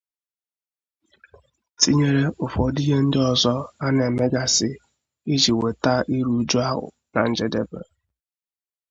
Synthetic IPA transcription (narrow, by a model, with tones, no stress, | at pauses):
ti˦ɲe˦ɾe˦ʊ˨fɔ˨˦di˦ɦe˦n̩˦dɪ˦ɔ˨zɔ˦a˦na˨e˨me˦ɡa˨sɪ˨ | i˦d͡ʒi˨we˨ta˦ʔi˦ɾu˦d͡ʒu˦a˦ɦʊ̰˨ | na̰˨n̩˦d͡ʒe˨de˦bḛ˨